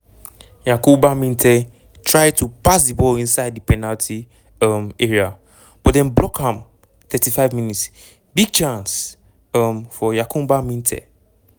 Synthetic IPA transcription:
jakʊ̃mbamĩntʰɛ | tʰɹaɪtʰupʰas̬dibɔlĩnsaɪdipʰɛnaltʰi | meɹia | b̥ɔtdɛ̃nblɔkhãm | t̪ʰɛtʰifaɪvmĩnits | biɡ̚t͡ʃʰãns | ãmfɔjakʰʊ̃mbamĩntʰɛ̰

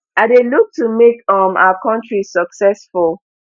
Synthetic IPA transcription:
adeluk̚tumekɔ̃ma̰akʰɔ̃ntɹisɔksɛsfulˠ

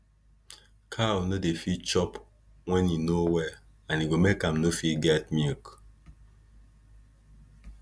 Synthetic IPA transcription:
kʰanodefit͡ʃɔp | wɛ̃ninowɛ | ãniɡomekãmnofiɡɛt̚mik

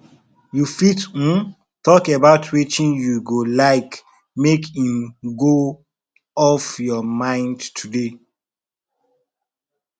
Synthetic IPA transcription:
jufit̩n | tɔkebaʊtʰwit͡ʃĩnjuɡolaɪk | mekĩmɡo | ɔfjɔmãɪ̃ndtʰude

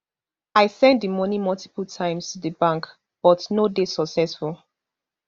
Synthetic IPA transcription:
aɪsɛ̃ndəmɔnimɔlˠti̥pəl̩ˠtʰãɪ̃mstudəbãŋk | b̥ɔtnodesɔksɛsfulˠ

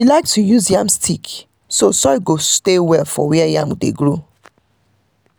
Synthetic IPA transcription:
ilaɪk̚tʰujuzjãmstʰik | sosɔjɡostewɛlfɔ̰wiɛjãmdḛɡɹo

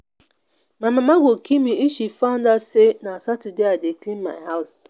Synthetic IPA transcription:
mamamaɡʷokʰimiiʃifandasenasatudeadeklĩnma̰ɪɦaʊs

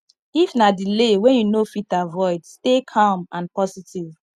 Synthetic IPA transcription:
ifnadilewɛ̃njunofitavɔɪdstekʰãmãnpɔsitʰiv

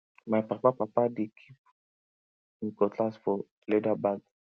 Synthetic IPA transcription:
majipapapapadikʰip̚ | nikɔtlasfɔ | ledabaɡ

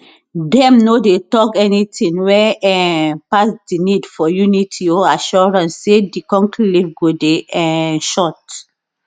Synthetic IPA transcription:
dɛ̃mnodetɔkɛnitĩŋwɛɛ̃pasdinidfɔjunitʰiɔaʃɔɹãnsːedikɔ̃ŋkllivɡodeɛ̃ʃɔt

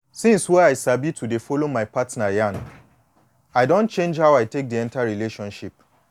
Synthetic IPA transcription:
sĩnswɛaɪsabitʰudefɔlomaɪpatnajãn | aɪdɔ̃nt͡ʃẽnd͡ʒhawaɪtek̚diɛ̃ntaɹileʃɔ̃nʃip̚

